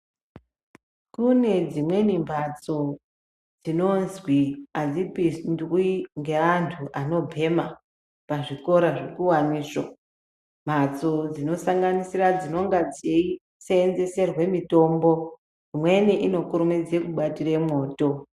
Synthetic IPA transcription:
kune̞d͡zimwe̞nimbʱat͡so̞ | d͡zino̞nzwiad͡zipisndwiŋɡe̞ʋantʰuʔano̞bʱe̞ma | paʐiko̞ɾaʐe̞kuwaniːso | m̤at͡so̞d͡zino̞saŋɡanisirad͡zino̞ŋɡad͡zei | seːnze̞se̞rwe̞mito̞ːmbo̞ | imwe̞niʔino̞kuɾumed͡zekuɓatiremo̞ːto̞

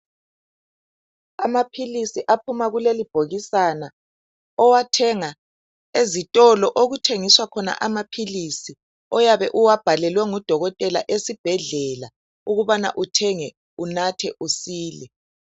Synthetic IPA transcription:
amapʰilisiʔapʰumaɣulelib̥ʱoɣisana | ɔwatʰɛŋa | ezitʼɔlɔʔoɣutʰeŋiswakʰɔna̰ʔamapʰilisi | ɔjaβɛʔuwab̥ʱalɛlwɛŋud̥ʱɔɣɔtʼɛla̰ʔesib̥ʱɛɮɛla | uɣuβana̰ʔutʰɛŋɛ | unatʰɛʔusiːlɛ

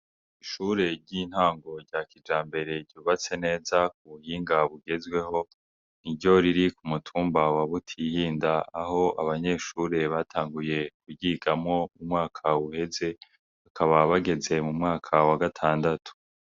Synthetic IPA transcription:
iʃuɾe̞ɾɟiːn̥haːŋɡo̞ɾɟaːkid͡ʒaːmbe̞ɾe̞ɾɟuːβat͡se̞ne̞ːzak̚uβuhiːŋɡaβuɡe̞zɡwe̞ho̞ | niɾɟo̞ɾiɾikumutʰuːmbawaβutʰihiːndaːho̞a̰βaɲe̞ʃuːɾe̞βaːtʰaːŋɡuje̞kuɟiɡamŋo̞umŋaːkʰauhe̞ze̞ | akʰaβaβaɡe̞ze̞mumŋaːkʰawaɡatʰaːndatʰu̥

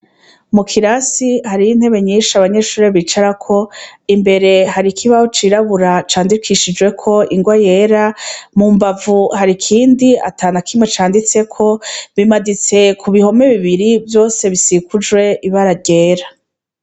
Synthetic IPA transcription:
mukʰiɾasihaɾijin̥he̞βe̞ɲiːʃaβaɲe̞ʃuːɾeβiːt͡ʃaɾakʰo̞imbe̞ɾe̞ɦaɾikʰiβahot͡ʃiːɾaβuɾat͡ʃaːndikʰiʃid͡ʒwe̞kʰo̞iŋɡwaje̞ːɾamuːmbavuhaɾikʰiːndia̰taːnakʰimwe̞t͡ʃaːndit͡se̞kʰo̞βimadit͡se̞kʰuβiho̞me̞βiβiɾivjo̞ːse̞βisikud͡ʒwe̞iβaɾaɾɟe̞ːɾa

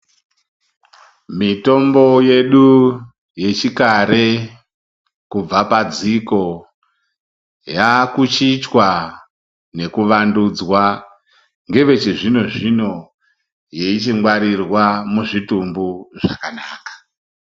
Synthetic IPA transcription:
mito̞mbo̞je̞ɗu | je̞t͡ʃikaɾe̞ | kub͡vapad͡ziko̞ | jakut͡ʃit͡ʃwa | ne̞kuʋandud͡zwa | ŋɡe̞ʋe̞t͡ʃiʐino̞ʐino̞ | je̞it͡ʃiŋwaɾirwamuʐitumbuʐa̰kanaːkḁ

